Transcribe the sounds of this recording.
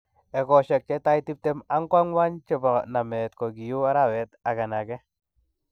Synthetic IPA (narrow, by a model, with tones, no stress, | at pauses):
ɛ˨kɔ˨ʃɛ˨k̚t͡ʃɛ˦ta˦jti˦p̚tɛ˦ma˦ŋkwa˦ŋwa˦nt͡ʃɛ˦ba˨na˨mɛ˨tkɔ˨ɡi˨ju˦a˦ɾa˦˨wɛ˨ta˨ka˨na˨kɛ˦